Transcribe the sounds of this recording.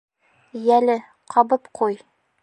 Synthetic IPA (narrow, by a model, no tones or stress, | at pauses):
jælɘ | qʰɒbɤpqʰuj